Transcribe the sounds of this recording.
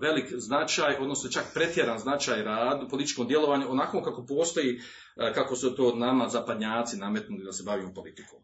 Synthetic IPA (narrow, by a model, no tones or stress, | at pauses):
ʋe̞likznat͡ʃaːjo̞d̪no̞snot͡ʃakpɾe̞t̪jeɾanznat͡ʃaːjɾaːd̪upolit̪it͡ʃkod̪je̞lo̞ʋaɲuonakokako̞po̞ːst̪o̞jiː | kakosut̪o̞ːnamazapad̪ɲaːt̪siname̞t̪nulid̪ase̞baʋimupo̞lit̪i̥koːm